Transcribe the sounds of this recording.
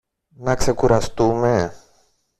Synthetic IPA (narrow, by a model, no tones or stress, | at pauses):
nɐkse̞kuɾɐst̪ume̞